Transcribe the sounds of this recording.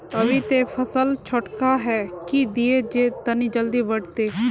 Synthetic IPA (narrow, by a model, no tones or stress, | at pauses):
əʋit̪epʰəsəlt͡ʃʰoʈkaɦɛːkid̪ied͡ʒeːt̪ənid͡ʒəld̪iːʋəɖt̪eː